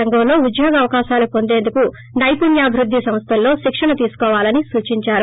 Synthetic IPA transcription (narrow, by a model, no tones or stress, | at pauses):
ɐŋɡɐlo̞ːud̪joːɡɐɐʋɐkaːʃaːlɐpo̞nd̪e̞ːnd̪uku | nɐjpunjaːbʱiɾud̪ʱːisɐmst̪ʰɐlːo̞ːʃikʂɐɳɐt̪iːsu̥kɔːʋaːlɐnisuːt͡ʃiɲt͡ʃaːɾu